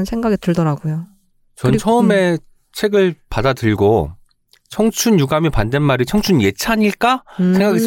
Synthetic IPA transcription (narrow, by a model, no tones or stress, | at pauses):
nsʰe̞ŋɡaɡetɯɭdʌɾaɡojo | t͡ɕʌnt͡ɕʰʌɯme̞ | t͡ɕʰe̞ɡɯɭpadatɯɭɡo | t͡ɕʰʌŋt͡ɕʰunjuɡamipande̞nmaɾit͡ɕʰʌŋt͡ɕʰunje̞t͡ɕʰaɲiɭk͈asʰe̞ŋɡaɡe